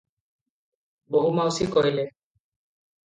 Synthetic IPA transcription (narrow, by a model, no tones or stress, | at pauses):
boɦumawsikoilɛ